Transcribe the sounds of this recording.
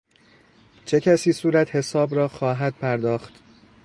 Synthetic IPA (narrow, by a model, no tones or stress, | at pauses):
t͡ʃʰe̞cʰæsiːsuːɾæt̪he̞sɒːbɾɒːxɒːɦæd̪̥̚pʰæɾd̪ɒːxt̪